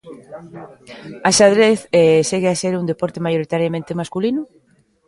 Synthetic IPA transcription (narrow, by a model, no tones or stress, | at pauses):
aʃaðɾeθɛseɣeaseɾund̪epɔɾt̪emajoɾit̪aɾjamẽnt̪emaskulinʊ